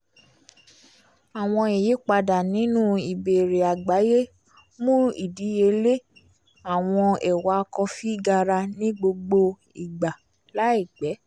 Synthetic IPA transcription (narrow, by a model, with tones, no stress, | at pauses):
a˨w̃ɔ̃˧e˨je˨˦k͡pa˧da˨nĩ˨˦nũ˦i˨be˨ɾe˨a˨ɡ͡ba˨˦je˦ | mũ˦ḭ˦˨di˨˦e˧le˦ | a˨w̃ɔ̃˧ɛ˨wa˧kɔ˧fi˦˨ɡa˧ɾa˧nĩ˦ɡ͡bo˧ɡ͡bo˧ | i˨ɡ͡ba˨ | la˨˦i˦˨ɡ͡bɛ˨˦